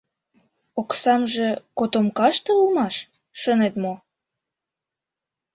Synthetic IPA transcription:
oksɑmʒekot̪omkɑʃt̪ɤulmɑʃ | ʃənet̪mo

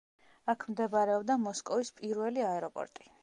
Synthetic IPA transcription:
akʰmd̪ɛbɾɛɔbd̪amɔskʼɔvispʼiɾwɛliaɛɾɔpʼɔ̰ɾt̪ʼi̥

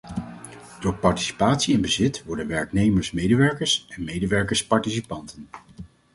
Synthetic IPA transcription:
d̥ʊːɹpɑɹti̥si̥paːtsiɪnbəzɪtʋɔɹdənʋɛɹknejməɹsmejdəʋɛɹkəɹsɛnmejdəʋɛɹkəɹspɑɹtisipɑntən

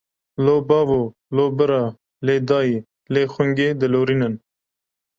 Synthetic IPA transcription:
loːbɑːvo | loːbəɾa | leːd̪ɑːi | leːxʊŋɡed̪əloːɾinən

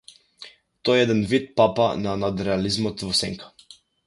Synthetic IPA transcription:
t̪ɔjɛɛd̪ɛnvit̪̚papananad̪ɾɛalizmɔt̪vɔsɛŋkʰḁ

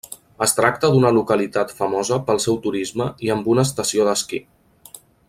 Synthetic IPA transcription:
əst̪ɾak̚t̪əd̪unəlukəlit̪at̪fəmɔzəpəlˠsɛwt̪uɾizməiəmbunəːs̬t̪əsioðəski

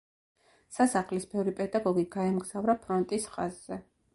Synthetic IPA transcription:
sasaχlisbɛvɾipʼɛd̪aɡɔɡiɡaɛmɡz̥avɾapʰɾɔnt̪ʼisχaz̥ːɛ

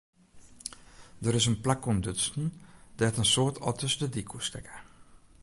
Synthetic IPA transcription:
dəɾɪsənplakɔndøsn̩dɛtənsoːrtʰɔ̰təsdədikʰustɛkə

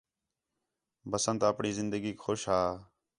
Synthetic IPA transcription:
bəsənt̪ːəpɳiːzɪnd̪əɡiːkʰoʃɦaː

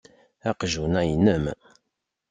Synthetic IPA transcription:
æqʒunæjnəm

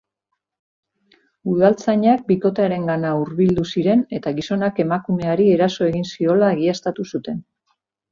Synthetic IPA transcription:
uðalt͡saɲak̚biko̞t̪eaɾe̞ŋɡanauɾβild̪usiɾe̞ne̞t̪aɣiso̞nake̞makume̞aɾie̞ɾaso̞e̞ɣinsio̞laːɣiast̪at̪usut̪e̞n

